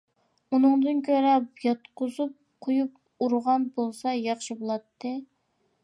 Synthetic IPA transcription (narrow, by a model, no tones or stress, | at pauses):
unɨŋd̪ɨnkʲʰøɾɛpjɑt̪qʊzup̚qʰojup̚ | uɾʁɑnbolˠsɑjɑχʃibolˠɑt̪ːɨ